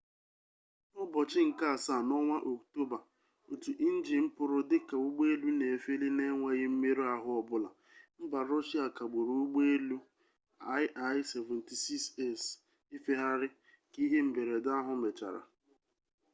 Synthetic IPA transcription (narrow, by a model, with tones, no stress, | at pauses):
nɔ˦bɔ˨t͡ʃɪ˦ŋ̩˨ka˦a˨sa˦˨nɔ˦ŋʷa˦ʔo˨kto˦ba˨ | o˨tu˨ʔi˦n̩˦d͡ʒi˨m̩˦pʊ˦ɾʊ˦dɪ˦ka˨u˦ɡ͡be˦e˦lu˦ne˨fe˦li˦ne˦ŋʷa˦ɣɪ˦m̩˦me˦ɾu˦a˨ɦʊ˦ɔ˨bʊ˦la˨ | m̩˦ba˨ɾɔ˦ʃi˦a˨ka˨ɡ͡bu˨ɾu˨u˦ɡ͡be˦e˦lu˦ | a˦jʔa˨˦jse˨vɛ˨n̩ti˨si˦kse˦˨s | i˦fe˦ɦa˦ɾɪ˦ | ki˦ɦe˦m̩˦be˨ɾe˨da˦ɦʊ˦me˨t͡ʃa̰˨ɾa̰˨